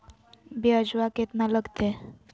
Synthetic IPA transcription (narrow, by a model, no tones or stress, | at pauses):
biəd͡ʒʋaket̪naləɡt̪e